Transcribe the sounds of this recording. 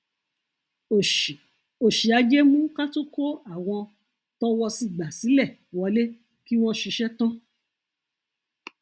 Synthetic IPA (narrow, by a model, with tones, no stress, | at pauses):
o˨ʃi˨a˧˦d͡ʒɛ˦mũ˦ka˦to˦ko˦a˦˨w̃ɔ̃˧ | tɔ˦wɔ˧si˦˨ɡ͡ba˨si˨˦lɛ˦˨ | wɔ˨˧le˦ | ki˦w̃ɔ̃˦ʃi˧ʃɛ˦tã˦